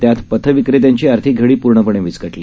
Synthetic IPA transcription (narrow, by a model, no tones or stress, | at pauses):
t̪jat̪pət̪ʰəʋikɾet̪jaɲt͡ɕiːaɾt̪ʰiːɡʱeɭiːpuɾɳəpəɳẽʋit͡skəʈli